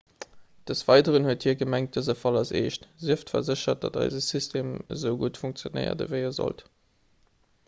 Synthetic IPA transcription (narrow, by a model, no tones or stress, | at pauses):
d̥əsv̥ɑɪdəʁənhuəthiːɐɡəmæŋt̚d̥əzəfɑlɑsḛːʃtziəftfɐ̰zəɕɐt̚d̥ɑdɑ̰ɪzəsystʰeːmzəʊɡutfuŋk̚t͡sjonə̰ɪɐ̰də̰vəɪəzɔ̰lt